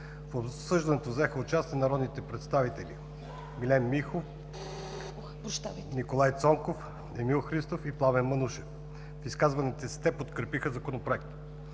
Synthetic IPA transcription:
fopsɤʒd̪ɐnɛt̪ovzɛxəot͡ʃast̪iɛnɐɾɔd̪nit̪ɛpɾɛt̪st̪avit̪ɛlʲi | ɡlʲɛmːixof | nikolˠajt̪sɔmkof | ɛmilˠxɾist̪ofiplˠavɛnmɐnuʃɛf | fiskazvɐnit̪ɛst̪ɛpot̪kɾɛpixəzɐkonopɾoɛk̚t̪

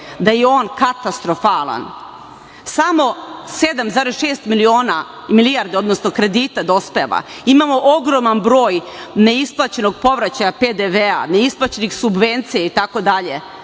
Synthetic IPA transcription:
d̪ajeo̞ːnkat̪ast̪ɾo̞falˠa̰n | samo̞se̞d̪amzaːɾesʃe̞ːst̪milio̞ːna | milijaɾd̪eo̞d̪nosno̞kɾe̞d̪iːt̪ad̪ospeʋa̰imaːmo̞ʔoɡɾo̞manbɾo̞ːjne̞isplˠat͡ɕe̞no̞ɡ̚po̞ʋɾat͡ɕajaped̪eʋea̰ne̞isplˠat͡ɕe̞nixsubʋe̞nt̪sijait̪ako̞d̪aʎe

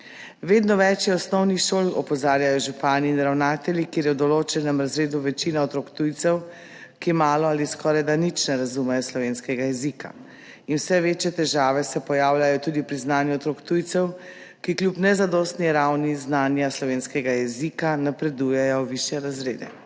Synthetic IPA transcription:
ʋeːd̪nɔʋɛt͡ʃjɛɔsnɔwnixʃoːlɔ̰pɔzaːɾjajɔʒupaniːnɾawnaːt̪ɛlʲikeːɾjɛwd̪ɔloːt͡ʃɛnɛmɾazɾeːd̪uʋɛt͡ʃinaɔt̪ɾoːkt̪ujt̪sɛw | kimaːlɔaliskɔːɾajd̪anit͡ʃnɛɾazumɛjɔslɔʋeːnskɛɡajɛzika̰ | inwsɛʋeːt͡ʃjɛt̪ɛʒaːʋɛsɛpɔjaːwlʲajɔt̪uːd̪ipɾiznaːnjuɔt̪ɾokt̪ujt̪sɛw | kiklʲupnɛzad̪ɔst̪niɾawniznaːnjaslɔʋeːnskɛɡajɛzikanapɾɛd̪uːjɛjɔʋiʃjɛɾazɾḛːd̪ɛ̰

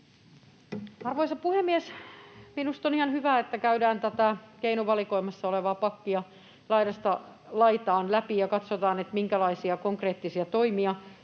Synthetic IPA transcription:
ɑrʋoisɑpuhemːiɛsminust̪onihɑnhyʋæːet̪ːækæydæːnt̪æt̪ækeinuʋɑlikoimɑsːɑoleʋɑːpɑkːiɑ | lɑiɾɑst̪ɑ | lɑit̪ɑːnlæpijɑkɑt̪sot̪ɑːnet̪miŋkælɑisiɑkoŋkreːt̪ːisiɑt̪oimiɑ

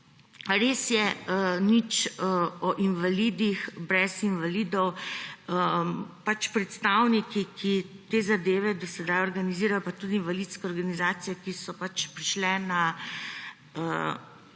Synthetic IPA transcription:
ɾeːsjɛnit͡ʃɔʔinʋalid̪ixbɾɛsinʋaliːd̪ɔwəpat͡ʃpɾɛt̪st̪aːwnikikʰit̪eːzad̪eːʋɛd̪ɔsɛd̪ajɔɾɡaniziːɾajɔpat̪ud̪iːnvaliːt̪skɛɔːɾɡanizaːt̪sijɛkisɔpat͡ʃpɾiʃlɛna | ə

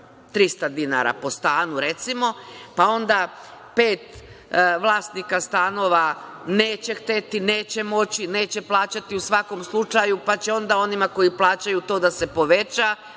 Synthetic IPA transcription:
t̪ɾist̪ad̪ina̰ɾa̰po̞st̪aːnuɾe̞t̪simo̞pao̞nd̪ape̞ːt̪ʋlˠaːst̪nikast̪ano̞ːʋane̞ːt͡ɕe̞xt̪e̞t̪ine̞ːt͡ɕe̞mo̞t͡ɕine̞ːt͡ɕe̞plˠaːt͡ɕat̪iusʋako̞mslˠut͡ʃajupat͡ɕe̞o̞nd̪ao̞nimako̞jiplˠaːt͡ɕajut̪o̞ːd̪ase̞po̞ʋe̞t͡ɕa

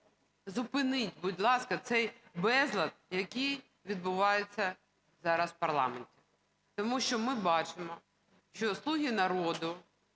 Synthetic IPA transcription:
zʊpɪnɪtʲbʊdʲlˠɑskɐt̪sɛjbɛzlˠɐd̪̚jɐkʲij | ʋʲid̪̚bʊʋɑjʊt͡sʲːɐ | zɑɾɐswpɐrlˠɑ̰menʲtʲi̥ | t̪ɔmuʃt͡ʃɔmɪbɑt͡ʃɪmɔ | ʃt͡ʃɔslˠuɦʲinɐɾɔd̪ʊ

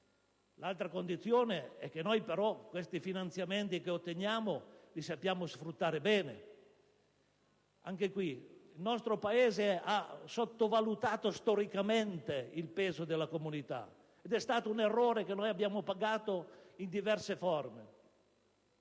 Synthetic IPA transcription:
lalt̪ɾakond̪it̪sːjoːneɛkːenojpeɾɔkːwest̪ifinant̪sjament̪ikeot̪ːenjaːmolisapːjaːmosfɾut̪ːaːɾebɛːnḛ | aŋk̟ekwiilnɔst̪ɾopaeːzeasot̪ːovalut̪aːt̪ost̪ɔɾikament̪eilpeːzod̪elːakomunit̪a̰ | ed̪ɛst̪aːt̪ounerːoːɾekenːojabːjaːmopaɡaːt̪oind̪ivɛrsefɔrme

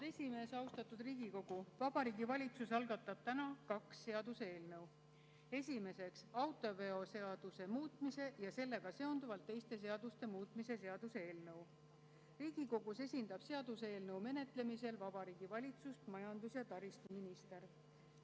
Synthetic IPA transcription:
d̪e̞sʲime̞ːsɑwst̪ɑt̪ːˑud̪riːɡ̥iko̞ɡ̥uvɑb̥ɑɾiːɡ̥ivɑlʲit̪susɑlɡ̥ɑt̪ːˑɑb̥̚t̪ænɑkɑksːe̞ɑd̪usee̞ːlnɤw | e̞sʲime̞se̞ksɑwt̪ːˑo̞ve̞o̞se̞ɑd̪̥use̞muːt̪ˑmise̞jɑse̞lːe̞ɡ̥ɑse̞o̞nd̪uvɑlt̪ːe̞jst̪e̞s̬e̞ɑd̪̥ust̪e̞muːt̪ˑmise̞se̞ɑd̪̥useeːlnɤw | riːɡ̥iko̞ɡ̥use̞sʲind̪̥ɑb̥se̞ɑd̪̥usee̞ːlnɤwme̞ne̞t̪ˑle̞mise̞lvɑb̥ɑɾiːɡ̥ivɑlʲit̪sust̪mɑjɑnd̪usjɑt̪ɑɾist̪uminist̪e̞ɾ

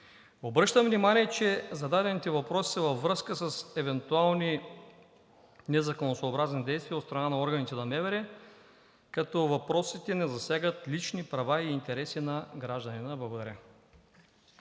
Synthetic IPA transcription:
obɾɤʃt̪əmvnimaniɛt͡ʃɛzɐd̪ad̪ɛnit̪ɛvɐpɾɔsi̥sɐvɐvːɾɤskəsɐsɛvɛnt̪ualˠni | nɛzɐkonosoːbɾaznid̪ɛjst̪vʲiəɐot̪st̪ɾɐnanɐɔɾɡɐnit̪ɛnɐmɛvɛɾɛ | kɐt̪ɔvɐpɾɔsit̪ɛnɛzɐsjaɡət̪lit͡ʃnipɾɐvaiːnt̪ɛɾɛsinɐɡɾaʒd̪ɐninɐbɐvɾa

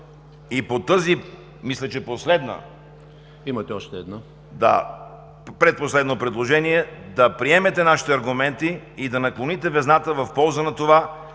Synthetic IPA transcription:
ipot̪ɤzi | mislʲɛt͡ʃɛposlɛd̪nə̰ | imɐt̪ɛɔʃt̪ɛːd̪na | d̪a̰ | pɾɛt̪̚poslɛd̪nopɾɛd̪lˠoʒɛniɛd̪ɐpɾiɛmɛt̪ɛnaʃi̥t̪ɛɐɾɡʊmɛnt̪iːd̪ɐnɐklˠonit̪ɛvɛznat̪əvɐfpɔlˠzənɐt̪ova

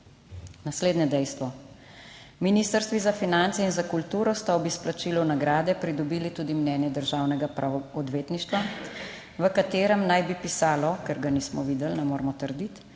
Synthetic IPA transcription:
nasleːd̪njɛd̪ɛjst̪ʋɔ | miniːst̪əɾst̪ʋizafinant̪sɛinzakult̪uːɾɔst̪aɔbisplat͡ʃiːlɔwnaɡɾaːd̪ɛpɾid̪ɔbiːlit̪uːd̪imnɛːnjɛd̪əɾʒaːwnɛɡapɾaɔd̪ʋeːt̪niʃt̪ʋa | ʋəkat̪eːɾəmnajbipisaːlɔkɛɾɡanismɔʋiːd̪ɛlnɛmoːɾmɔt̪əɾd̪it̪

